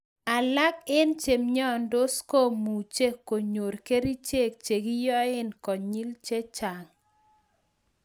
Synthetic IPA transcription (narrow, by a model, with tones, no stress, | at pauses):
a˨la˦kɪ˦nt͡ʃe˨mɲɔ˦ndo˦sko˦mu˨t͡ʃe˦kːo˨ɲo˨ɾke˦ɾi˦t͡ʃe˦˨k̚t͡ʃe˨ɡi˦jɔ˦ɪ˦nkɔ˨ɲi˦lt͡ʃe˦t͡ʃa˨ŋ